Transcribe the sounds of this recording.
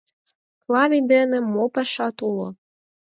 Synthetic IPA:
klˠɑβʲid̪enĕmopɑʃɑt̪ulˠo̰

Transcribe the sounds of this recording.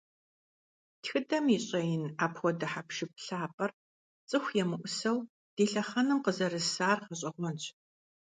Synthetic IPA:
txɨdɐmiːɕʼɐjɪnaːpʰxʷɔdɐħapʃɪp̚ɬaːpʼɐr | t͡sʼɨxʷjɛmɨʔʷʊsɐw | d̥eːɬɐχɐnɨmqəzɐɾɨsaːrχɐɕʼɐʁʷɔnt͡ɕʰʼ

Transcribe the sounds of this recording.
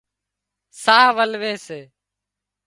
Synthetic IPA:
saːʋəlʋeːseː

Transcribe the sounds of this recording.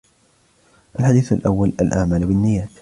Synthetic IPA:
ʔalħad̪iːθalʔawːala̰lʔaʕmaːlbɪnːɪjːaːt̪

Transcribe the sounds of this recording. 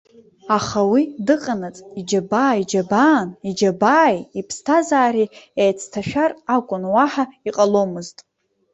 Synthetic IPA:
aχawidɨqʼanat͡sʼid͡ʒabaːjd͡ʒabaːnid͡ʒabaːjipʰstʰazaːɾiejt͡sʰtʰaʃᶣarakʷʼʊnwaħaiqʼalo̞mɨztʼ

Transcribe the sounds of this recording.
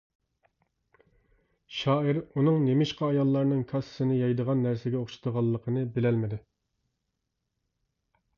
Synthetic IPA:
ʃɑːɪɾunɨŋnemɪʃqɑɑjɑlˠːɑɾnɨŋkʰɑssɨnɨjɑjd̪əʁɑnːæɾsɪɡʲɛoχʃɪ̥d̪əʁɑlˠːəqʰənɨbɪlɛlmɪd̪ɪ

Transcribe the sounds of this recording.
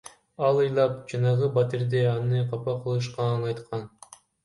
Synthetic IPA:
ɑlˠɯjlˠɑp̚d͡ʒɑnɑʁɯbat̪iɾd̪eɑnɯqʰɑpɑqʰɯlˠɯʃ̬qɑnɑjt̪qʰɑn

